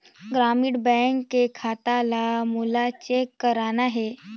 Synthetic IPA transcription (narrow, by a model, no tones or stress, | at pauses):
ɡɾamiɽbɛŋkːekʰat̪alamulat͡ɕekːəɾanaɦe